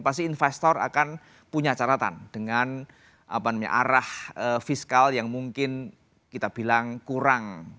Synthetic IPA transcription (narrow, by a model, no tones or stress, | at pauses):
pas̬t̪iinfɛst̪ɔra̰kan | puɲat͡ʃaɾat̪a̰nd̥əŋan | ʔa̰panamɲa̰ʔaɾahəfiskaljaŋmuŋkɪn | kit̪ab̥ilaŋkuɾaŋ